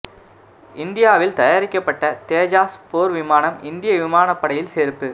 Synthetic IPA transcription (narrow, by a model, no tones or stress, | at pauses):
ɪnd̪ɪjaːʋɪlt̪ɐjaːɾɪkːɐpːɐʈːɐt̪eːd͡ʒaːspoːɾʋɪmaːnɐmɪnd̪ɪjɐʋɪmaːnɐpːɐɽɐjɪlseːɾpːɯ